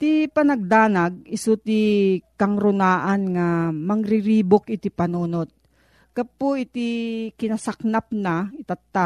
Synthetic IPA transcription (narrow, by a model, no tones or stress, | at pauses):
t̪ipɐnɐɡ̚d̪aːnaɡ̚ɪsut̪ɪkɐŋɾʊnaːʔanŋamɐŋɾɪɾiːbokɪt̪ɪpɐnuːnot̪̚ | kɐpoʔɪt̪ɪkɪnɐsak̚nap̚naɪt̪at̪ːa